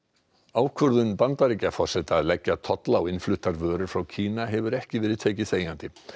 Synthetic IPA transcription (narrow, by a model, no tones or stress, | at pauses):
aːwkʰvœɾðʏnpant̪aɾicafɔr̥sɛt̪aːðlɛcːat̪ʰɔt̪laɔwɪnflʏht̪aɾvœːɾʏɾ̥fɾawcʰiːnaɦɛvʏɾɛhcɪvɛːɾɪðt̪ʰeːjcɪθeːjant̪ɪ